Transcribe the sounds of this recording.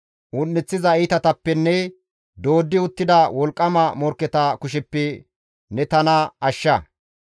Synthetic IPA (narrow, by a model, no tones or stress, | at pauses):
ʊnːɪt͡sːɪzɐɪt̪ɐt̪ɐpːɛnːɛ | d̪o̞ːd̪ːɪʊt̪ːɪd̪ɐwɔlkʼːɐmɐmɔɾkːɛt̪ɐkʊʃ̬ɪpːɛ | nɛt̪ɐnɐɐʃːɐ